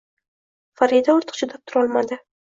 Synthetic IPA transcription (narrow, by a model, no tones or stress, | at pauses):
faɾid̪aoɾt̪ʰɨ̥qt͡ʃʰʊd̪ap̚t̪ʰʊɾɒlˠmad̪ɪ